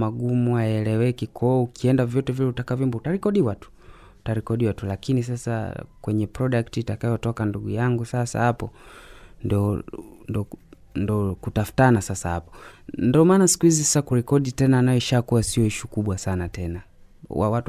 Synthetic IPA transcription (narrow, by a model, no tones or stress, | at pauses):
maɡumuajɛlɛwɛkikʰɔukiɛndavjɔtɛvilɛutakavimbɔtaɾikɔɗiwatu̥ | taɾikɔɗiwatulakinis̬asa̰kwɛɲɛpɾɔɗaktiːtakajɔtɔkanduɡujaŋɡusasa̰hapɔ | ndɔndɔ | ndɔkutafu̥tanasasaha̰pɔ̥ndiɔmaːnasi̥kuhizisasakuɾɛkɔɗitɛnaːnajɔʃakuasiɔiʃukuɓwasanatɛna | wa̰wat